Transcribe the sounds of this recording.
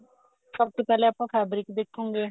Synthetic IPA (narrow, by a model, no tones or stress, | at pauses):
səb̚t̪oːpɛːleːəpːãːpʰɛːbɾɪkd̪ekʰːõːŋɡeː